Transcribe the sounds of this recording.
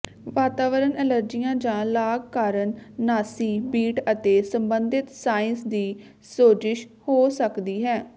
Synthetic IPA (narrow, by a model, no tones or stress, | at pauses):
ʋaːt̪aːʋəɾənɛləɾd͡ʒijãːd͡ʒãːlaːɡkaːɾənːaːsiːbiːʈət̪eːsəmbənd̪ɪt̪saːɪnsd̪iː | soːd͡ʒɪʃ | hoːsəkd̪iːɦɛː